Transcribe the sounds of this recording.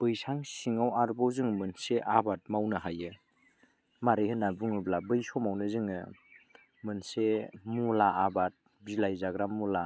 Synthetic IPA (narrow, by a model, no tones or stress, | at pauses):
b̥ɯjsʰaŋsiŋawaɾbɔwzɯŋmɯnseʔabat̚mawnɯɦajɯ | maɾɯhɯnabuŋɯblabɯjsɔmawnɯzɯŋɯ | mɯnsemulaːbat̚ | bilajzaɡɾamula